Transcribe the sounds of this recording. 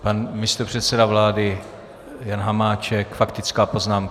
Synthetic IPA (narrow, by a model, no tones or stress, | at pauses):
panmɪst̪opr̥ɛt̪sɛdavlaːdɪ | janɦamaːt͡ʃɛkfakt̪ɪt͡skaːpo̞znaːm